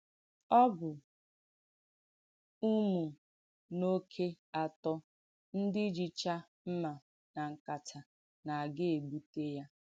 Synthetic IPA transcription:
ɔ˦bʊ˨ | u˦mu˨ | no˦kʰe˦ | a˨tɔ˦ | n̩˦dɪ˦d͡ʒi˨t͡ʃa˦ | m̩˦ma˨ | na˨ŋ̩˨ka˨tʰa˨ | na˨ɡɪ˦e˨ɡ͡bu˦te˦ja˦

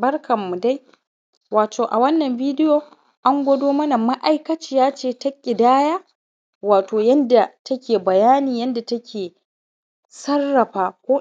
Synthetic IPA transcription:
bɐ˦rkʰɐ˨mːu˨da˦j | waː˨tʰoː˨ʔa̰˨wɐ˦nːɐ˨mbiː˦dɪ˦joː˨ | ʔa˦ŋɡʷɐ˦doː˦mɐ˦na˨ma˦ʔa˦jkɐ˦t͡ʃiː˦˨jaː˦t͡ʃeː˦˨tɐ˦kʲʼːɪ˨daː˦jaː˦ | waː˨toː˨jɐ˦nda˨tɐ˦kʲeː˨bɐ˨jaː˦niː˨jɐ˦nda˨tɐ˦kʲʰeː˨ | sɐ˦rːɐ˨ɸaː˨kʷoː˦

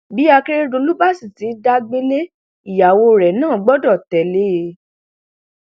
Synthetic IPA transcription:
bi˨˦a˧ke˦ɾe˦do˧lu˦ba˦˨si˨ti˨˦da˧ɡ͡be˦le˦ | i˦˨ja˨wo˧ɾɛ˨nãː˦˨ɡ͡bɔ˦dɔ˦˨tɛ˨˦le˦e˧

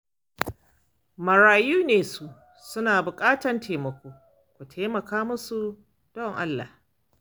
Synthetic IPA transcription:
mɐ˨ɽaː˨juː˦neː˨su˦ | sʊ˦naː˨bʊ˨kʼaː˦tɐ˨ntʰeː˨mɐ˨kʷoː˦ | kʷu˨tʰeː˦mɐ˨kaː˦mʊ˦su˨ | d̥ɔ˦˨ŋʔa̰˦lːa̰˨h

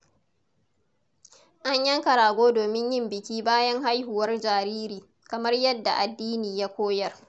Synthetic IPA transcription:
ʔa˦ɲjɐ˦ŋkɐ˨ɾaː˨ɡʷoː˦doː˨mɪ˦ɲjɪ˦mbɪ˨kʲiː˦baː˦jɐ˦ŋɦa˦jɦʊ˨wɐ˦rd͡ʒaː˨ɾiː˦ɾiː˨ | kɐ˨mɐ˦rjɐ˦dːa̰˨ʔa˨dːiː˦niː˨ja˦kʷoː˦jɐ˦r

